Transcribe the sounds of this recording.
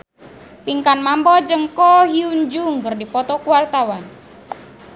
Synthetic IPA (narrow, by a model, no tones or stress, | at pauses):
piŋkanmambɔd͡ʒəŋkɔɦiuɲd͡ʒuŋɡərdipɔt̪ɔkuwart̪awan